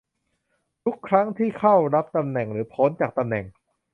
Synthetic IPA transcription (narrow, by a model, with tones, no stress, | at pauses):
t̪ʰu˦˥kʰːɾa˦˥ŋt̪ʰiː˥˩kʰa˥˩wɾa˦˥p̚t̪a˧mnɛ˨˩ŋɾɯː˩˦pʰo˦˥nt͡ɕaː˨˩k̚t̪a˧mnɛ˨˩ŋ